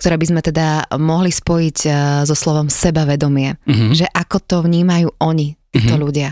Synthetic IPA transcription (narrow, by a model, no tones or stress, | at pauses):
kt̪ɔɾɛːbizmɛt̪ɛd̪amɔɦlispɔjiɟzɔslɔʋɔmsɛbaʋɛd̪ɔmɪɛʒɛʔakɔt̪ɔʋɲiːmajuːʔɔɲit̪iːt̪ɔʎuɟɪa